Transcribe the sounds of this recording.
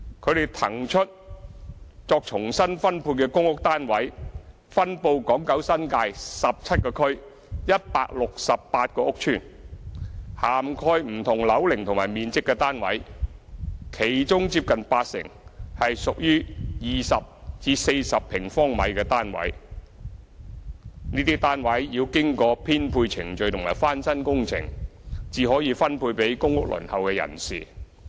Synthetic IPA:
kʰɵ˨˧ɥɾe˨˩jt̪ʰɐ˨˩ŋt͡ʃʰɵ˥t̚ | t͡sɔː˧k̚t͡ʃʰʊ˨˩ŋsɐ˥nfɐ˥npʰuː˧n̚kɛː˧kʊ˥ŋʊ˥k̚t̪aː˥nwɐ˨˥j | fɐ˥npo˧wkɔː˨˥ŋkɐ˨˥wsɐ˥nkaː˧jsɐ˨p̚t͡sʰɐ˥t̚kɔː˧kʰɵ˥ɥ | jɐ˥t̚paː˧k̚lʊ˨k̚sɐ˨pːaː˧t̚kɔː˧ʊ˥k̚t͡ʃʰyː˥˩n | haː˨˩mkʰɔː˧jm̩˨˩t̪ʰʊ˨˩ŋlɐ˨˧wlɪ˨˩ŋt̪ʰʊ˨ŋmaː˨˩jmiː˨˧nt͡sɪ˥kːɛː˧t̪aː˥nwɐ̰˨˥j | kʰe˨˩jt͡ʃʊ˥ŋt͡siː˧p̚kɐ˨npaː˧t̚sɪ̰˨˩ŋhɐ˨jsʊ˨k̚jyː˥jiː˨sɐ˨p̚t͡siː˨˧se˧jsɐ˨pʰːɪ˨˩ŋfɔː˥ŋmɐ̰˨˧jkɛː˧t̪aː˥nwɐ̰˨˥j | niː˥t̪iː˥t̪aː˥nwɐ˨˥jjiː˧wkɪ˥ŋkɔː˧pʰiː˥npʰuː˧jt͡sʰɪ˨˩ŋt͡ʃɵ˨ɥjt̪ʰʊ˨˩ŋmaː˨˩jfaː˥nsɐ˥nkʊ˥ŋt͡sʰɪ̰˨˩ŋt͡siː˨˧ɦɔː˨˥jiː˧fɐ˥npʰuː˧jpe˨˥jkʊ˥ŋʊ˥k̚lɵ̰˨˩nhɐ˨wkɛː˧jɐ̰˨˩nsiː˨

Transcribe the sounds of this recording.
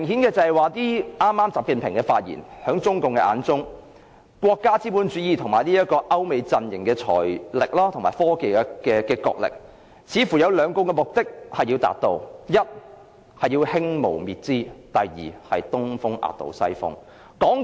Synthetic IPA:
m˨˩ŋɦiː˨˥nkɛː˧t͡sɐ˨˧hɛ˨˩jwaː˨t̪iː˥ʔaː˥mːaː˥mt͡saː˨p̚ki˨˧npʰɪ˨˩ŋkɛː˧fa̰ː˧t̚jḭː˨˩nhœː˨˥ŋt͡sʊ˥ŋkʊ˨ŋkɛ˧ʔa̰ː˨˧nt͡sʊ˥ŋ | kwɔː˧kːaː˥t͡siː˥puː˨˥nt͡ʃyː˨˥jiː˨˩t̪ʰʊ˨˩ŋmaː˨˩jniː˥jɐ˥t̚kɔː˧ʔɐ˥wme˨˧jt͡sɐ˧njɪ˨˩ŋkɛː˧t͡ʃʰɔ̰ː˨˩jlɪ˨k̚laː˥t̪ʰʊ˨˩ŋmaː˨˩jfɔː˥ke˨˧jkɛː˧kɛː˧kɔ̰ː˧k̚lɪ̰˨k̚ | t͡sʰiː˨˧fu˨˩jɐ˨˧wlœː˨˧ŋkʊ˨˧ŋkɛː˧mʊ˨k̚t̪ɪ˥k̚hɐ˨jːiː˧wt̪a̰ː˨t̚t̪o˨˧wjɐ˥t̚ | hɐ˨jiː˧whɪ˥ŋmo̰˨˩wmiː˨˩t̚t͡siː˥t̪ɐ˨jjḭː˨˩hɐ˨jt̪ʊ˥ŋfʊ˥ŋʔa̰ː˨˧t̚t̪o̰˨˧wsɐ̰˥jfʊ̰˥ŋ | kɔː˨˥ŋ

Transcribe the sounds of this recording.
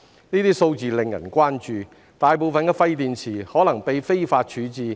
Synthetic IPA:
niː˥t̪iː˥so˧wt͡siː˨˧lɪ˨˧ŋjɐ̰˨˩nkʷwaː˥nt͡ʃyː˨˧ | t̪aː˨jpo˨wfɐ˨nkɛː˧fɐ˧jt̪iː˨˧nt͡sʰiː˨˩hɔː˨˥lɐ˨˩ŋpe˨˧jfe˥jfaː˧t̚t͡ʃʰyː˨˥t͡siː˨˧

